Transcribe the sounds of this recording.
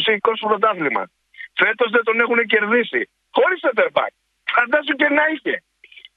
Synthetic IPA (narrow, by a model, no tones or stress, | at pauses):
siikospɾot̪ɐθlimɐ̰s | fet̪ozðet̪onexunec̬eɾðisḭ | xoɾiset̪eɾbɐ̰k̚ | fɐnd̪ɐs̬ucenɐiçe